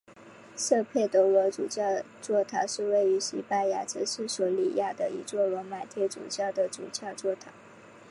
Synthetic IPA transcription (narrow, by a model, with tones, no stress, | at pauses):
ʂɤ˥˧pʰjɛ˥˩ɪt̪ə˧˥wɔ˧˥t͡sṵ˨˩t͡ɕjɑ˥˧ʊ | t͡swɔ˥˩t̪ʰɑ˧˥ʊʂɻ̩˥˧we˥˩ɪy˧˥ɕḭ˧˥pa˥˧nja̰˥˩t͡sə˧˥ʂɻ̩˥˩swɔ˧˥lḭ˨˩ja˥˩d̪ə˩ḭ˧˥t͡swɔ˥˩lɔ˧˥ma˨˩t̪ʰjɛ˥˩t͡sṵ˨˩t͡ɕjɑ˥˩ʊd̪ə˩t͡sṵ˨˩t͡ɕjɑ˥˧ʊt͡swɔ˥˩t̪ʰa̰˧˥˦